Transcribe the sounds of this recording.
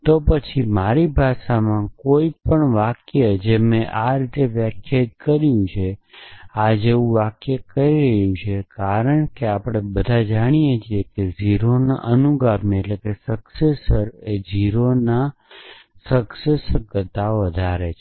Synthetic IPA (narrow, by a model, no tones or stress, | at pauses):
t̪opət͡ʃʰimaɾibʱaʃamãkoipəɳʋakjəd͡ʒemẽʔaɾit̪eʋjəkʰjət̪kəɾjũt͡ʃʰe | ad͡ʒeʋũʋakjəkəɾiɾəɦjũt͡ʃʰekaɾəɳkeapɽ̃ebəd̪ʱad͡ʒaɽ̃ijet͡ʃʰiekeziɾona̰ʔənuɡametlekesəksesəɾed͡ʒiɾona | səksesɡət̪aoʋəd̪ʱaɾet͡ʃʰ